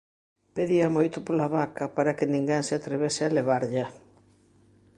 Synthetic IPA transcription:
peðiɐmojt̪ʊpolaβakɐpaɾakɪnĩŋɡeŋsɪat̪ɾeβesɪaleβ̞aɾʎa

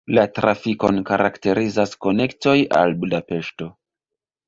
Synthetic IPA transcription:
latɾafiko̞nkaɾakte̞ɾizasko̞ne̞kto̞ja̰lbudape̞ʃto̞

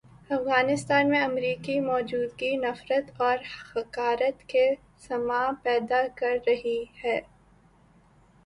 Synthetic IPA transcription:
ɐfɣaːnɪst̪aːnmẽɐmɾiːkimɔːd͡ʒuːd̪ɡinɐfɾət̪ɔːɾhɐkaːɾət̪ke | sɐmaːpɛːd̪akɐɾːɐɦihɛː

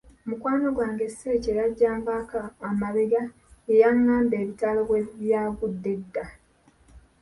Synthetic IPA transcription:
mukwaːnoɡwaːŋɡeseceɾaɟːaːmbakaːmaβe̞ɡa | ejaŋːaːmbe̞ːβitaːloβweβjaːɡudːe̞dːa

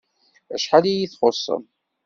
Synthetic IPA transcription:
æʃħalijiθχosˤːə̰m

